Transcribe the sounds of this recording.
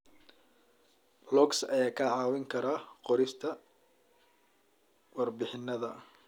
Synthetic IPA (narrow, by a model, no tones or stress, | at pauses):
lɔksɐjaːkʰɐʕɑːwɪŋkʰɐɾaːqɔɾɪst̪ʰɐ | wɑrbɪħɪnːɐðɐ